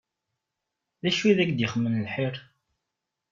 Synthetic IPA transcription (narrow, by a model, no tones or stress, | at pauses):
ðæʃwiðækd̪jəχmːənlħiɾˤ